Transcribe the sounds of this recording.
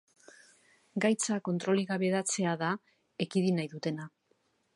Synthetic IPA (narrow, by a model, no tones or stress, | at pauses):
ɡajt͡sako̞nt̪ɾo̞liɣaβe̞ðat͡se̞aða | ekiðinajðut̪e̞na